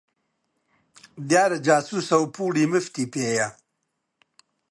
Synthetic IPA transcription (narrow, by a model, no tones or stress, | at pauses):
d̪jaːɾad͡ʒaːsusawpuːɽimift̪ipeja